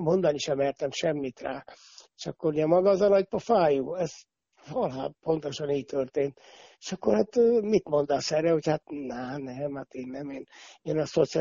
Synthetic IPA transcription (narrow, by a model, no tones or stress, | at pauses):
mo̞nd̪ɒniʃɛmɛrt̪ɛmʃɛmːit̪raː | eʃɒkːorjɛmɒɡɒːzɒnɒɟ̚pɒfaːjuːɛz | vɒlɦa̰ːpo̞nt̪o̞ʃɒniːɟ̚t̪ørt̪eːnt̪ | e̥ʃɒkːorhat̪ːmit̪mo̞nd̪ɒsɛɾɛho̞chat̪nɛnɛmhat̪eːnːɛmeːneːnɒso̞t̪si